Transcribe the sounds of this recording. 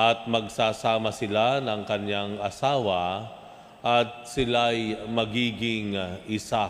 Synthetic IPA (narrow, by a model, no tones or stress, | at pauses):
ʔɐt̪̚mɐɡ̚saːsaːmɐsɪlanɐŋkɐɲjaŋɐsaːwɐ | ʔɐt̪̚sɪlajmɐɡiːɡɪŋʔɪsa